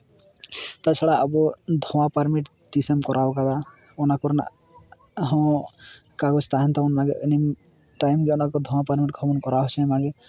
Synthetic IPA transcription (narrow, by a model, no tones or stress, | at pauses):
t̪at͡ʃʰaɽaɔbɔd̪ʱɔwapaɾmiʈ | ʈisemkɔɾʔawkad̪a | ɔnakɔɾna̰ | ɦɔ̃ | kaɡɔt͡ʃʰt̪aɦɛnt̪aɔnmaɡeenim | ʈajmɡiɔnakɔd̪ʱɔwapaɾmiʈɡʱɔbɔnkɔɾaɦɔsʰɔ̃maɡe